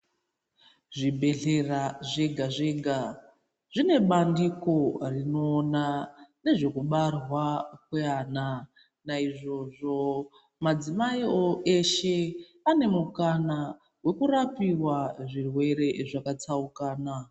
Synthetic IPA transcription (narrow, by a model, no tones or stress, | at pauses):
ʐibʱe̞ɮe̞raʐeɡʱaʐeɡʱa | ʐ̥ine̞ɓandiko̞rino̞ːnane̞ʐe̞kuɓarwakweaːna | naiʐo̞ʐo̞ | mad͡zimaioʔe̞ʃe̞ | ane̞mukana | we̞kuɾapiwaʐirwe̞ɾe̞ʐakat͡saukaːna